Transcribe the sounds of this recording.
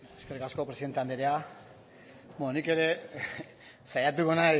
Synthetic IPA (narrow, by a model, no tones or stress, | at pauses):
eskerikasko̞pɾesiðent̪eand̪eɾea | bononike̞ɾe̞ | sajat̪̬uɣana